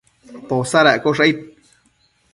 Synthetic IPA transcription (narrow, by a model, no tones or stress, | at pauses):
p̪osaɾakoʂait̪̚